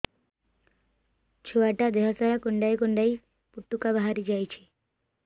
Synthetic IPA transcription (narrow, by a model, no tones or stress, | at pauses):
t͡ʃʰoaʈad̪eɦɔsaɾakoɳɖajkoɳɖaj | put̪ːukabaɦaɾid͡ʒajt͡ʃʰi